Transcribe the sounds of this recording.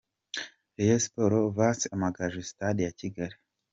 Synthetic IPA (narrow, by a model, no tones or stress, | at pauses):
ejespoɾovasamaɡaʒist̪ad̪iaciɡaɾ